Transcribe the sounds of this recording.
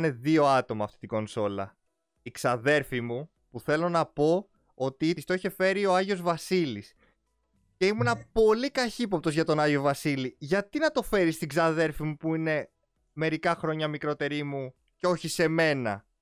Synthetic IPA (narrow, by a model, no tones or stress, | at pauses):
ne̞ðio̞ɐt̪o̞mɐːft̪i̥t̪iɡo̞nso̞lɐ̰ | ikzɐðe̞ɾfimu | puθe̞lo̞nɐpo̞ | ot̪ist̪oiçe̞fe̞ɾio̞ɐʝio̞zvɐsilis | ce̞imunɐpo̞likɐçipo̞p̚t̪o̞zʝɐt̪o̞nɐʝio̞vɐsiliʝɐt̪inɐt̪o̞fe̞ɾist̪iɡzɐðe̞ɾfimupuine̞ | me̞ɾikɐxɾo̞ɲɐmikɾo̞t̪e̞ɾimu | ceo̞çise̞me̞nɐ̰